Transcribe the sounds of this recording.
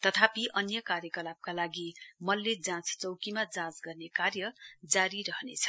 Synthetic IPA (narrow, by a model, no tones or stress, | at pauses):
t̪ʌt̪ʰapiʔʌnjʌkarjʌkʌlab̚kalaɡimʌlːed͡zãt͡st͡sʌwkimad͡zãt͡sɡʌrnekarjʌd͡zaɾiɾʌɦnet͡sʰʌ̥